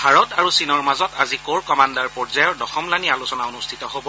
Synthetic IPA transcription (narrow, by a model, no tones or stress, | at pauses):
bʱaɹɔtaɹusinɔɹmazɔtazikoɹkɔmandaɹpɔɹzajɔɹdɔxɔmlanialusɔnaonustʰitɔɦobɔ